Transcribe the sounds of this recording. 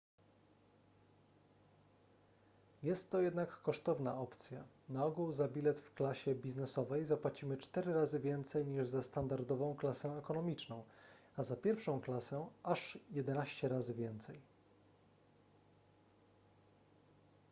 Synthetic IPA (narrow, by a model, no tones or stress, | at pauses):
jɛst̪ːɔjɛd̪nakːɔʂt̪ɔvnaɔpt̪sʲja | naɔɡuwzabʲilɛt̪fklaɕɛbʲiznɛsɔvɛjzapwat͡ɕimɘt͡ʂt̪ɛɾɘɾazɘvʲjɛnt̪sɛjɲiʐzast̪and̪aɾd̪ɔvɔ̃w̃klasɛ̃ɛkɔnɔmʲit͡ʂnɔ̃w̃ | azapʲjɛɾfʂɔ̃w̃klasɛaʂjɛd̪ɛnaɕt͡ɕɛɾazɘvʲjɛnt̪sɛj